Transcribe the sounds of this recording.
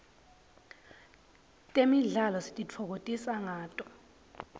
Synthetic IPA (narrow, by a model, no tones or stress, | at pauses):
tʼemiɮalɔsi̥tʼit͡fʰɔk̬otʼisaŋaːtʼɔ